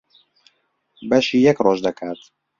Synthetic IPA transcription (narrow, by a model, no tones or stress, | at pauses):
bɛʃiːjɛkrɔːʒd̪ɛkʰæt̪